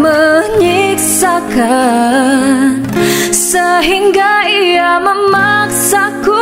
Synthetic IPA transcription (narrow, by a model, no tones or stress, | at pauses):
məɲiksaka | səɦiŋɡaijaməmaksaku